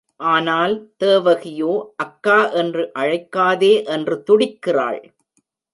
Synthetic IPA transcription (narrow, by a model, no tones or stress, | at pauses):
ʔaːnaːlt̪eːʋɐɣɪjoːʔɐkːaːʔɛndrɯʔɐɻɐɪkːaːðeːʔɛndrɯt̪ʊɽɪkːɪra̰ːɭ